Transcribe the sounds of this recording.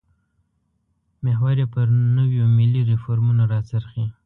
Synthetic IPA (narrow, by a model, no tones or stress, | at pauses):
meɦwaɾepəɾnəwjomɪliɾɪfoɾmunoɾɑt͡səɾxi